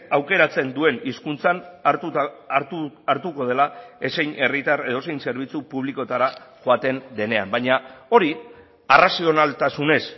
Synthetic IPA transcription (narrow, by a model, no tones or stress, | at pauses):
awke̞ɾat͡se̞nd̪ue̞niskunt͡san | aɾt̪uko̞ðe̞lae̞se̞jne̞rit̪are̞ðo̞sejnse̞ɾβ̞it͡supuβ̞liko̞t̪aɾaʝoat̪e̞nd̪e̞ne̞ambajɲao̞ɾi | arasio̞nalt̪asune̞s